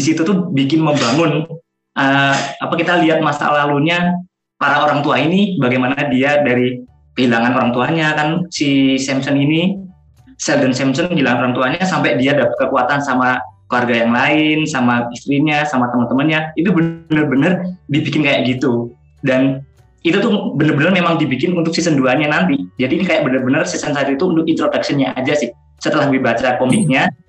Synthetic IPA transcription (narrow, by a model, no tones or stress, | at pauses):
disit̪ut̪ʊhbikɪnməmbaŋʊn | ʔəapakit̪aliat̪̚masa̰laluɲa | paɾaoɾaŋt̪uainibaɡajmanadiadaɾi | kəhilaŋanoɾaŋt̪uaɲakansisɛmsɔnini | sɛldənsɛmsɔnəɦilaŋanoɾaŋt̪uaɲasampajdiadapət̪̚kəkuat̪ansamakluarɡajaŋlaɪnsamaist̪ɾiɲasamat̪əmənt̪əmənɲait̪ubənərbənərdibikɪnkajaʔɡit̪u | dan | it̪ut̪ʊhbənərbənərmemaŋdibikɪnunt̪ʊksisənduaɲanant̪id͡ʒadiːnikajaʔ̚bənərbənərsisənsat̪uit̪uunt̪ʊkint̪ɾodak̚siənɲaʔa̰d͡ʒasɪh | sət̪əlahbəbat͡ʃakomɪk̚ɲa